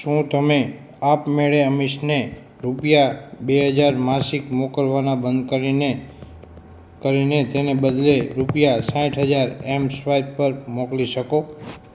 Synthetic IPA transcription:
ʃũt̪əme | apmeɭeəmiʃne | ɾupjabeɦəd͡ʒaɾmasikmɔkəlʋanabənd̪kəɾine | kəɾinet̪enebəd̪leɾupijasãĩʈʰɦəd͡ʒaɾemsʋajdpəɾmɔkliʃəko

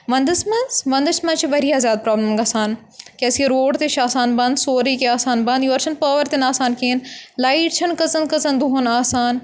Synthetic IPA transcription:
ʋɐ̃nd̪ɐsmɐzʋɐ̃nd̪ɐʃmɐ̃nt͡ʃʰiʋɐɾijaːzjaːd̪̚pɾaːbləmɡɐsaːn | kɛːsiɐɾoːɖt̪eʃʰaːsaːnbɐ̃nd̪soːɾiːkeaːsaːnbɐ̃nd̪juɐɾt͡ʃʰɐnpɐːʋəɾt̪enaːsaːnkeːnlaːɪʈt͡ʃʰɐnkɐzɐnkɐzɐnd̪uɦunaːsaːn

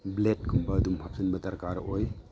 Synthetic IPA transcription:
blet̚kʰumbɐɐdumhap̚sɐnbɐtɐɾkaɾoj

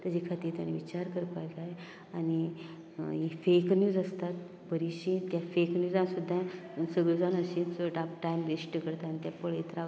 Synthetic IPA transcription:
t̪əd͡ʑikʰat̪iːɾt̪ja̰ñĩʋit͡ɕaɾkəɾpajkae | ani | ifeknjuːd͡zəst̪at̪ | bəɾiɕĩt̪jafeknjuːd͡zãsud̪ʱːãsəɡɭəd͡zañəɕĩt͡soʈap̚ʈajmɡesʈəkəɾt̪anit̪japəɭet̪ɾa

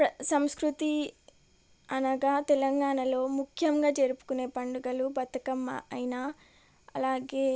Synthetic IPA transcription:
pɐsɐmskɾut̪i | ɐnɐɡaːt̪ɛlɐŋɡaːɳɐlo̞ːmukʰjɐŋɡaːd͡ʒeːɾupu̥kune̞ːpɐɳɖuɡɐlubɐt̪ːɐkɐmɐjna | ɐ̰laːɡeː

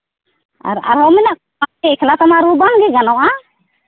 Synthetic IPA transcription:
a̰ɾa̰ɾhɔmɛnak | aɛkʰɛlat̪ɔmaɾubaŋɡɛɡanɔwʔa

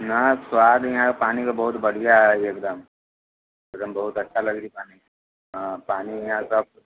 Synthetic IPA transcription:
nɐswaːd̪jɐɦãkpaːnikabɐɦʊt̪bɐɽ̤ijaɦɛeːkd̪əm | eːkd̪əmbɐɦʊt̪ɐtːʃʰalɐɡɾiipaːni | paːnijɐɦãsɐb̚

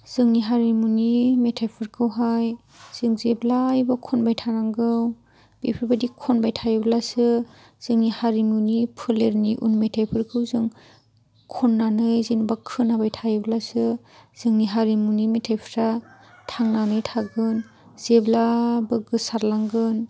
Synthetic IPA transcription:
z̥ɯŋniɦaɾimunimetʰajpʰɯɾkʰɯwɦaj | z̥ɯŋzeblajbakʰɔnbajtʰaɾaŋɡɯw | b̥epʰɯɾbadikʰɔnbajtʰajblasɯ | z̥ɯŋnihaɾimunipʰɯleɾniʔṵnmetʰajpʰɯɾkʰɯwzɯŋ | kʰɔnːanɯjzinbakʰɯnabajtʰajeblasɯ | z̥ɯŋniɦaɾimunimetʰajpʰɾa | tʰaŋnanɯjtʰaɡɯn | zeblabɯɡɯsaɾlaŋɡɯn

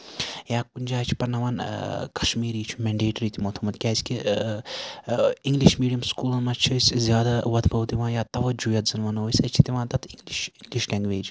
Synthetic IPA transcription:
jaːkunʲd͡ʒaːt͡ʃʰi̥pɐɾnɐʋaːnkɐ̥ʃmiːɾiːt͡ʃʰumɛ̃ɳɖeːʈɾiːt̪imot̪ʰumɐt̪kʲaːsʲki | iŋɡliʃmiːɖijɐmskuːlɐmɐt͡ʃʰisʲzjaːd̪aʋɐd̪bɐwt̪iʋãːjaːt̪ɐʋɐd͡ʒujɐt̪zɐnʋɐnoːisʲɐt͡ʃʰit̪iʋãːt̪ɐt̪ʰiŋɡliʃiŋɡliʃlʲɛ̃ːŋɡʋeːd͡ʒ

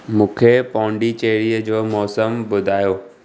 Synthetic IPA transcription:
mũːkʰepɔ̃ːɳɖit͡ɕeːɾijəd͡ʑoːmɔːsəmbʊd̪ʱaːjoː

